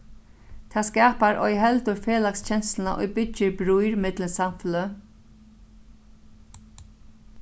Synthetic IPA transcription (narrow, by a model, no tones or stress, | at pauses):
t̪ʰaːskaːpaɾʔɔ̰jɦɛlt̪ʊɹfeːlakst͡ɕɛnslna̰ʔɔ̰jbʏcːɪɾbɾujɾmɪt̪lənsamflə